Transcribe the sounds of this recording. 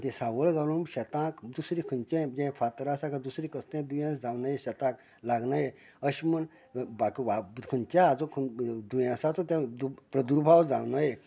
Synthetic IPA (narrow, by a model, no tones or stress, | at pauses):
t̪ẽsaʋəlɡaɾũmɕɛt̪ãkd̪usɾikʰənt͡ʃẽd͡ʑẽfʰat̪ɾasakad̪usɾikəst̪ẽd̪ujãsd͡zawnajeɕɛt̪ãk | laɡnaje | əɕmən | bakiʋakʰunt͡ʃjaːd͡zokʰd̪ujãsat̪ot̪jãd̪upɾəd̪uɾbʱawd͡za̰wnaje